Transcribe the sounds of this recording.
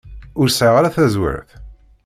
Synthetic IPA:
ʊɾsaʁaɾaθæzwḭɾθ

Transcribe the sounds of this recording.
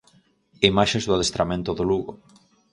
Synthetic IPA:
imaʃẽzðʊaðest̪ɾamẽnt̪ʊðoluɣo

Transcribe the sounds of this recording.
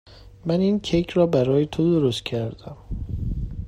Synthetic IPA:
mæniːncʰejcʰɾɒːbæɾɒːjet̪ʰod̪oɾost̪̚cʰæɾd̪æm

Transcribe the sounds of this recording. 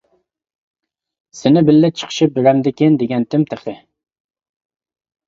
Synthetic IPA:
sɪnɪbɪlːɪt͡ʃʰə̥qʰə̥ʃip̚bɪɾɛmd̪ɪkʲɪnd̪eɡʲɛnt̪ʰɪmt̪ʰeχt̪ɪ

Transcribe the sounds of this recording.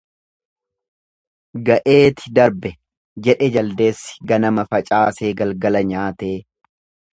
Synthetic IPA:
ɡɐʔe̞ːt̪ɪ̥d̪ɐɾbɛ | d͡ʒɛᶑɛd͡ʒɐld̪e̞ːsːɪ̥ɡɐnɐmɐfɐt͡ʃʼaːse̞ːɡɐlɡɐlɐɲaːt̪e̞ː

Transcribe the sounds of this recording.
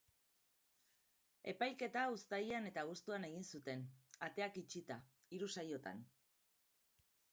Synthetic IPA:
e̞pajke̞t̪aust̪ajiane̞t̪aɣ̞ust̪uane̞ɣinsut̪e̞nat̪e̞akit͡ʃit̪a | iɾusajo̞t̪a̰n

